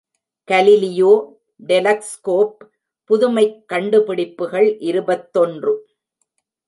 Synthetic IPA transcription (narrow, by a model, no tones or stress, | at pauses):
kɐlɪlɪjoː | ɖɛlɐkskoːp̚ː | ʊðʊmɐɪkːɐɳɖɯpɪɽɪpːɯɣɐɭʔɪɾɯbɐt̪ːɔndrɯ